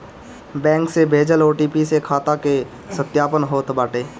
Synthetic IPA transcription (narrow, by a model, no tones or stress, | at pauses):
bɛ̃ːŋksebʱeːd͡ʒəloːʈiːpisekʰaːt̪ake | sət̪jaːpənɦoːt̪baːʈeː